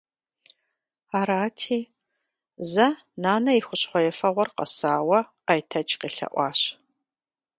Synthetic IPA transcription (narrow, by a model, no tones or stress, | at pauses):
aːɾaːtʰiː | zɐ | naːnɐiχʷʊɕχʷɔjɛfɐʁʷɔrqɐ̰saːwɐ | ajtʰɐt͡ʃʼqiːɬɐ̰ʔʷɑːɕ